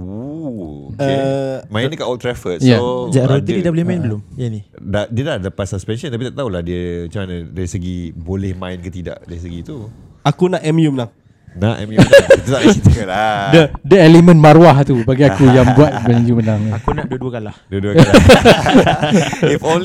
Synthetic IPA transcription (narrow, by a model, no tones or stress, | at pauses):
o | əemãinnəkaʔɔlt̪ɾɛfəjad͡ʒaɾot̪iidabolɪhmaɪnbəlʊmjani | dadiədahdapat̪saspɛnʃɔ̃nt̪ap̬it̪aʔt̪aulahdiəmat͡ʃamanadaɾisəɡibolɛhmãɪnkət̪ida̰ʔdaɾisəɡit̪u | akunaʔɛmjumlaŋ | na̰ʔɛ̰mjut̪ut̪aʔsit̪ukladədəɛlemə̃nmaɾwaht̪ubaɡiakujaŋbuat̪̚bɛnjumənaŋakunaʔduəduəkalahduəduəa | ifon